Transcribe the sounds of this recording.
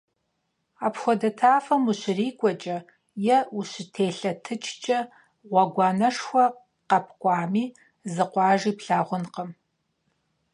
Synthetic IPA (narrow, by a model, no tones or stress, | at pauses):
aːpxʷɔdɐtʰaːfɐmuɕɪriːkʷʼɔt͡ʃʼɐ | jɛuɕɪtʰeːɬɐtʰɨt͡ʃʰʼt͡ʃʼɐ | ʁʷɐɡʷɑːnɐʂxʷɐ | qɐp̚ʰkʷʼɑːmiː | zɨqʷɑːʒiːpɬaːʁʷʊnqəm